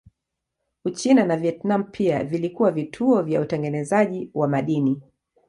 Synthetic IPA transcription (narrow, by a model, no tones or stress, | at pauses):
ut͡ʃinanaviɛtnam̩pʰia̰vilikuwavitʰuɔvjautɛŋɡɛnɛzaʄiwamaɗini